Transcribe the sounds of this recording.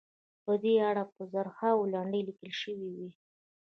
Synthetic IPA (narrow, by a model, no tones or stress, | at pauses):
pəd̪eaɽapəzaɾxawlaɳɖəjlikəlʃəwiwi